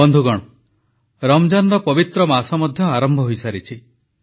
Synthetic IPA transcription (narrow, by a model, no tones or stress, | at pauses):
ɔnd̪ʱuɡɔɽ̃ɔ | ɾɔmd͡ʒanɾɔpɔbit̪ɾɔmasɔmɔd̪ʱjɔaɾɔmbʱɔɦojsaɾit͡ʃʰi